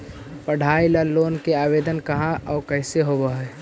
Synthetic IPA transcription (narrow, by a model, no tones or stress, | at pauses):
pəɽ̤ʱaːilaloːnkeaːbeːd̪ənkɐɦãʔɔːkəɦseɦobəɦɛː